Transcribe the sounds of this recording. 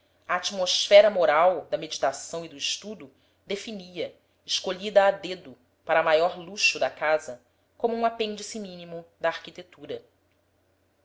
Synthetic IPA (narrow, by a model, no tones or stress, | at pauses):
ɐat͡ʃimosfɛɾɐmoɾawd̪ɐmed͡ʒit̪asɐ̃w̃id̪ʊiʃt̪ud̪ʊ | d̪efiniɐ | ɪʃkoʎid̪ɐːd̪ed̪ʊ | paɾɐmajɔɾluʃud̪ɐkazɐ | kõmuũapẽnd͡ʒisimĩnimud̪ɐːɾkit̪et̪uɾɐ